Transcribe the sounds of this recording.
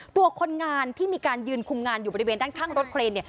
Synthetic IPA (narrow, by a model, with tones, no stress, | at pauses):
t̪u˧ɐkʰo˧nŋaː˧nt̪ʰiː˥˩miː˧kaː˧njɯː˧nkʰu˧mŋaː˧njuː˨˩ɔ˧ɾi˧weː˧ndaː˥˩ŋk̪ʰaː˥˩ŋɾo˦˥t̪̚kʰɾeː˧nːi˥˩